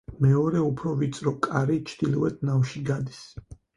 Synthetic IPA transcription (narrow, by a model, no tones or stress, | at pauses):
mɛɔɾɛupʰɾɔvit̪sʼɾɔkʼaɾit͡ʃʰd̪̥ilɔwɛt̪ʰnafʃiɡad̪is